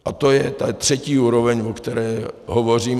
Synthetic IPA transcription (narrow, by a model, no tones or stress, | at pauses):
ʔat̪o̞jɛt̪at̪r̝̥ɛciːuːɾovɛɲvokt̪ɛɾɛːɦovo̞r̝iːm